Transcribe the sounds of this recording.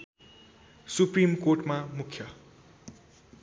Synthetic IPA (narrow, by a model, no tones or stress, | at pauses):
suprimkorʈmamukʰjʌ